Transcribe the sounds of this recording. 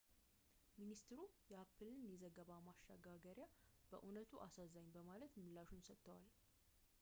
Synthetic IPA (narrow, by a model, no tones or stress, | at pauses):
minist̪ɨɾujɛapʰːɨlɨnjɛzəɡəβamaʃːa̰ɡaɡəɾjab̥ə̰ʔunət̪ʰuʔasazaɲbəmalət̪mɨlːaʃunsət̪ːəwal